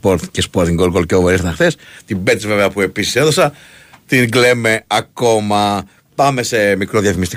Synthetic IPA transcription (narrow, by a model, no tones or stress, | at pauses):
poɾt̪cespoɾt̪iŋɡolɡolceovoɾist̪ɐ̃xθest̪ibe̞t̪sve̞veɐpue̞pisi̥seðo̞sɐ | t̪iŋɡle̞me̞ɐko̞mɐ | pɐme̞se̞mikɾo̞ðjɐθimist̪i̥